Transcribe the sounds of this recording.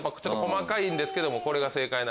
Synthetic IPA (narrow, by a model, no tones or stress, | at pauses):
pːakt͡ɕo̞t̪ːkomakaĩnd̪e̞sɨ̥ke̞d̪o̞mo̞ko̞ɾe̞ɡase̞ːkaina